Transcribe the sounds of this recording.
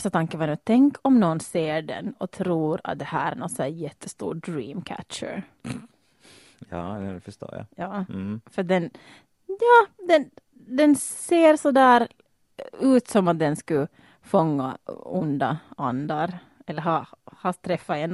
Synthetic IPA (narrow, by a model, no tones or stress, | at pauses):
st̪at̪ʰaŋkəvʋɑnʉːt̪ʰɛŋkʰɔmnɔnseːɖɛ̰nɔt̪ʰɾuːɾa̰t̪̚d̪ɛhæːɾɾæ̰nɔt̪snæːɾjɛt̪ʰːəst̪ṵːɾɖɾiːmkʰæ̰tt͡ʃə̰ɾ | jɑ̰ːɛɛfəʂto̰ːja̰jɑːfəɾat̚d̪ɛn | jɑːd̪ɛn | d̪ɛnseːɾsɔd̪æːɾ | ʉ̟ːt̪sɔmat̪̚d̪ɛnskɵ | fɔŋːa̰ʊ̰nd̪aand̪aɾ | ɛlːəɾɦɑhɑt̪ʰɾɛfːaɛn